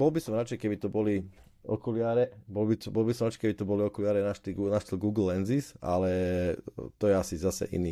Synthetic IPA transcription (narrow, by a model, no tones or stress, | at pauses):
b̥ɔlbisɔmɾat͡ʃɛɪkɛbit̪ɔbɔli | ɔkulɪaɾɛbɔlbibɔlbisɔmɾat͡ʃɛɪkɛbit̪ɔbɔliɔkulɪaːɾɛnaʃt̪iɡnaʃt̪ilɡuːɡl̩ːɛnzisa̰lɛ | t̪ɔjɛasizasɛ̰ʔḭniː